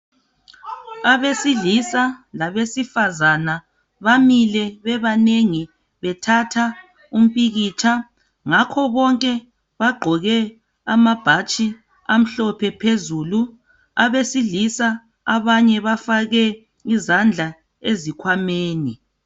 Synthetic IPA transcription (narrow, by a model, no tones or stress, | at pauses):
aβesiɮisalaβesifazana | βamilɛβɛβaneŋi | βɛtʰatʰa | um̩pʼiɣiːt͡ʃʰa | ŋakʰɔβɔŋkʼɛ | βaɡ͡ǃʱɔɣɛ | a̰mab̥ʱat͡ʃʼi | am̩ɬɔpʰɛpʰezuːlu | aβesilisa | aβaɲɛβafaɣɛ | izand͡ɮʱa | ezikʰwameːni